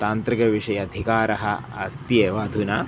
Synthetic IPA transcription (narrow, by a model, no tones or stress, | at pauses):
t̪aːnt̪ɾikɐʋiʂɐjɐːd̪ʱikaːɾɐɦɐ̰ɐst̪ieːʋaːd̪ʱunaː